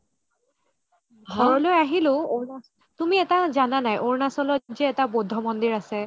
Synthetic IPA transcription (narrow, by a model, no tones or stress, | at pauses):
ɡʱɔɹɔlojaɦilʊ̃o | tumiɛtazananajʔoɹnasɔlɔzɛɛtabodʱːɔmɔndiɹasɛ